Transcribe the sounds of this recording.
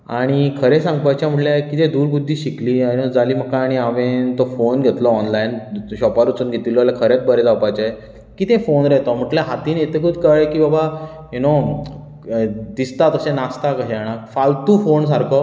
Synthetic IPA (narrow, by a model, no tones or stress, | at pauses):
aɽ̃ikʰəɾesãŋɡajt͡ɕjam̤əʈljekit̪ẽd̪uːɾbud̪ʱːiːɕikliːaid͡zaliːm̤əkaːɽ̃iaʋẽt̪ɔfonɡʱet̪lɔːnlainɕɔpaɾut͡suːnɡʱet̪ilːalakʰəɾet̪̚bəɾed͡zawpajt͡ɕa | kit̪ẽfonɾɛɦt̪ɔm̤əʈljaɦat̪iːnet̪ek̬ət͡skəɭekiːbaba | juno | d̪ist̪at̪əɕẽnast̪akaɦeaɽ̃afalt̪uːfons̬aɾkʰɔ